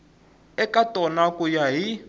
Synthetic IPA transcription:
ɛkatʼɔnakujaɦi

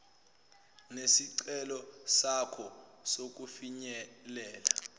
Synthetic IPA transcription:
nesiǀɛlɔsakʰɔsok̬ufiɲɛlɛːla

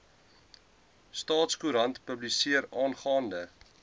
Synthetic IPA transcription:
stɑːtskuɾɐntpəblisiəɾɑːnχɑːndə

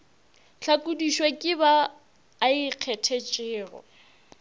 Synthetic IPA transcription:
t͡ɬʰakʼudiʃwekʼɪbaː | iq͡χʰɛtʰet͡ʃʼɪːrɔ̰

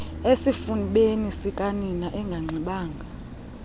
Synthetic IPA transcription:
esifuniɓenisikʼaninaʔɛŋɡʱaŋ͡ǀʱiɓaːŋɡʱa

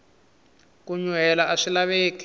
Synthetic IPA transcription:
kuɲwɛlaʔaʂilaβeːki̥

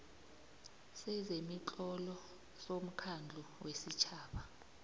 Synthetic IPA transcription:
sɛzemit͡ɬʼɔlɔ | som̩kʰand͡ɮʱuwesit͡ʃʰaːɓa

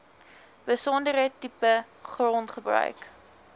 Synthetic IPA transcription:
bəsɔndəɾətipə | χrɔntχəbrœ̰ɥk

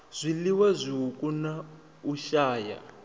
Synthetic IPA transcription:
z̥ʷiliwazʷiɦukʼuna | uʃaːja̰

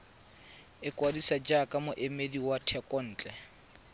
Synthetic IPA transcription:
ɪkʼwadisad͡ʒakʼamʊʔɪmediwatʰɛkʼɔn̩ːt͡ɬʼɛ

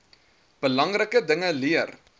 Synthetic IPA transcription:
b̥əlɐŋrəkədəŋəliər

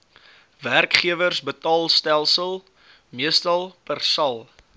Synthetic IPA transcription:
værkχiəvərsbətɑːlˠstælˠsəlˠ | miəstɐlˠpərsɐlˠ

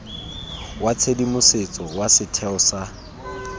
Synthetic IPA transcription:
wat͡sʰedimʊset͡sʼɔwasɪtʰɛɔsa

